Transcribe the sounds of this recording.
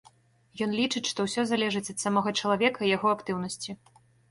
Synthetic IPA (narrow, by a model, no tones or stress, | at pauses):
jɔnlʲit͡ʂɨt͡sʲʂt̪ɔwsʲɔzalʲɛʐɨt͡sʲɐt̪samɔɣɐt͡ʂɐlˠavʲɛkɐijaɣɔakt̪ɨwnɐsʲt͡sʲi